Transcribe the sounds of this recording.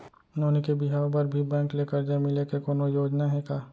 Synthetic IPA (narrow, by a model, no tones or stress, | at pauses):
ʊnoːnekebɪɦaːopɐɾbʱibɛ̃ːŋkleːkəɾd͡ʒamɪlekekoːnojoːd͡ʒnaɦɛkaː